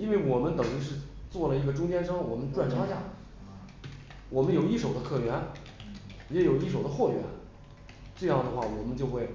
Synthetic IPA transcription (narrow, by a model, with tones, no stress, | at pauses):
i˥nwe˥˩ɪwɔ˨˩mə˦nt̪ɤ˨˩ŋy˧˥ʂ̬ɻ̩˥˧t͡swɔ˥˩lə˩i˧˥ɡə˧ʈ͡ʂʊ˥ŋt͡ɕjɛ˥nʂɤ˥ŋwɔ˨˩mə˦nʈ͡ʂwa˥˩nʈ͡ʂʰa˥ɕja̰˥˩ | wɔ˨˩mə˦njo˨˩ʊi˥˩ʂo˨˩ʊd̪ə˦kʰɤ˥˩ɥɛ˧˥n˨ | jɛ˥jo˨˩ʊi˥˩ʂo˨˩ʊd̪ə˦xwɔ˥˩ɥɛ̰˧˥n | t͡swe˥˧ɪjɑ˥˩ʊd̪ə˩xwa˥˩wɔ˨˩mə˦nt͡ɕjo˥˧ʊxwe˥˩ɪ